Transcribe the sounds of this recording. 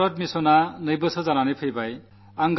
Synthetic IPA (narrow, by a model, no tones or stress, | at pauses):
ɾʌt̪misonanʌjbʌsʰod͡zananepʰijbaj | aŋɡ